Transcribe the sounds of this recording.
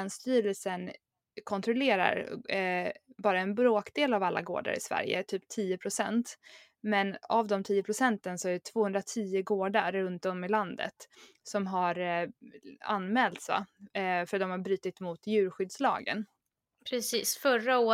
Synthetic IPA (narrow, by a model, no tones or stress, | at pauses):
nst̪yːɾəlsən | kʰɔnt̪ɾʊleːɾa̰ɾ | bɑːɾaɛnbɾoːkd̪eːlavalːa̰ɡo̰ːɖa̰ɾɪ̰svæ̰ɾjə̰t̪ʰyːpt̪ʰiːʊpʰɾʊsɛ̰nt̪ | mɛnavd̪ɔmt̪ʰiːʊpʰɾʊsɛnt̪ənsɔæɖɛt̪ʰv̥oːhɵnd̪ɾat̪ʰiːʊɡoːɖaɾːɵnt̪ɔmɪland̪ə̰t̪ | sɔmɦaɾ | a̰nːmɛːlt̪sa̰fœɾat̪d̪ɔmhaɾbɾyːt̪ɪt̪mʊt̪jʉ̟ːɾɧʏd̪slɑ̰ːɡə̰n | pʰɾɛsiːsfœɾaoː